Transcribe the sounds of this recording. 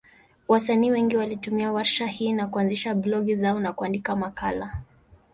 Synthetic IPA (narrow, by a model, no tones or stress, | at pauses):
wasaniːwɛŋɡiwalitumiawaɾʃahiːnakuanziʃablɔɡizaɔnakuandikamakala